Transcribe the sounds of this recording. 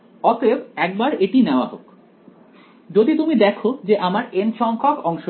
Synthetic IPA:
ɔt̪ʰebɛk̚baɾeʈineoaɦo̰k | d͡ʑod̪it̪umid̪ɛkʰod͡ʑeʔamaɾenʃɔŋkʰokɔŋʃo

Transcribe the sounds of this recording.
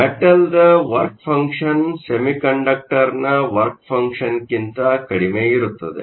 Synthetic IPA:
meʈɐld̪ɐʋɐɾk̚pʰɐŋkʂɐnsemikɐɳɖɐk̚ʈɐɾnɐʋɐɾk̚pʰɐŋkʂɐnkint̪ɐkɐɽimeiɾut̪ːɐd̪ḛ

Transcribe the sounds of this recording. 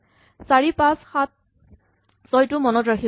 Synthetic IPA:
saɹipãsxat̚ | sɔjtʊmɔnɔtɹakʰi

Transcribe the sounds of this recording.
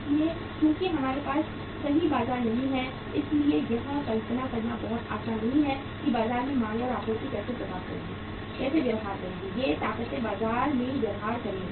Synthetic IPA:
slie | kjõːkiɦɐmaːɾepaːs | kɐɦibaːzaːɾnɐɦĩɦɛ | ɪsliejɐɦãkɐlt̪nakɐɾnabɔɦʊt̪a̰ːsʰanːɐɦĩɦɛ | kibaːzaːɾmẽmãːlɔːɾaːpoːɾkikɛːsepɐt̪aːkɐɾeɡeː | kɛːsebeːɾɦaːɾkɐɾẽːɡejet̪aːqət̪ebaːzaːɾmẽɡ̪ɐɾɦaːɾkɐɾẽ

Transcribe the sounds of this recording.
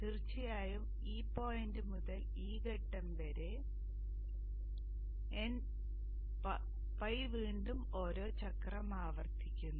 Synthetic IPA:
tirt͡ɕːɐjaːjum | iːpːo̞ːjndɨmuðɐl | iːkɐʈːɐmʋɐɾe̞ | en | pɐjʋiːɳɖumo̞ːɾo̞ːt͡ɕɐkrɐmaːʋɐrt̪ʰikʲːunːu

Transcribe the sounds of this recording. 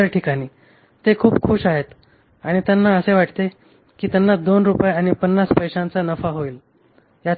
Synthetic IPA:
əɾʈʰikaɽ̃iː | t̪ekʰuːpkʰuʂaɦet̪ | aɽ̃it̪janːaəseʋaʈt̪e | kiːt̪janːad̪onɾupajaɽ̃ipənːaspəjʂãnt͡sanəfaɦoiːl | ja

